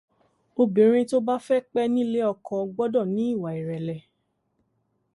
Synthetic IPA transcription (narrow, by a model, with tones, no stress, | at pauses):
o˧bĩ˨ɾ̃ĩ˧to˦ba˦fɛ˦k͡pɛ˦nĩ˦le˦ɔ˧kʰɔ˧ɡ͡bɔ˦dɔ˦˨nĩ˨˦i˦˨wa˨i˨ɾɛ˨lɛ˨